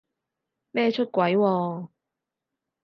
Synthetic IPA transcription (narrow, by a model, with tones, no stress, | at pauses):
mɛː˥t͡ʃʰɵ˥t̚kʷwɐ˨˥jwɔː˧